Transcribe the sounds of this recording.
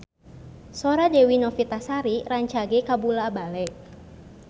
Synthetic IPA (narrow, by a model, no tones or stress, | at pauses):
sɔɾadewinɔfit̪asaɾiraɲt͡ʃaɡekabulabalɛʔ